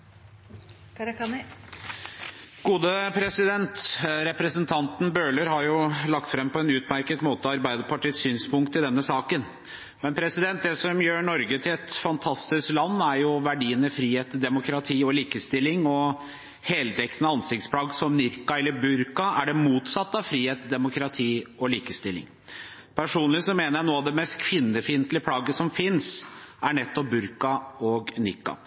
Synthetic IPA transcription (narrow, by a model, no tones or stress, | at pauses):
ɡ̥uːd̪əpʰɾɛsɪd̪ɛnt̪ɾɛpɾəsənt̪ʰɑnt̪n̩bøːɭəɾhɑɾjʊlɑk̚t̪fɾɛmpʰɔɛnʉːt̪mæɾkət̪moːt̪əɔɑɾbæɪd̪əɾpɑʈiːt̪syːnspʊŋk̚t̪ɪd̪ɛnːəsɑːkən | mɛnpʰɾɛsɪd̪ɛnt̪̚d̪ɛsɔmjøːɳɔɾɡət̪ʰɪlɛt̪fɑnt̪ʰɑst̪ɪsklɑnːæɾjʊʋæɖiːənəfɾiːheːt̪d̪ɛmʊkɾɑt̪ʰiːɔliːkəst̪ɪlːɪŋɔ | hɛːlt̪ʰɛkt̪ənəɑnsɪkt̪spʰlɑːɡsɔmnɪɾkɑɛlːəbʉɾkɑæɖɛmuːt̪sɑt̪ːɑʋfɾiːheːt̪d̪ɛmʊkɾɑt̪ʰiːɔliːkəst̪ɪlːɪ̰ŋ | pʰæʂuːnlɪʋsɔmeːnəjænoːɑʋd̪ɛmɛst̪kʰʋɪnːəfiːnt̪lɪəpʰlɑːɡəsɔmfɪnsæɳɛt̪ːɔp̚bʉɾkɑɔɡnɪkːɑ̰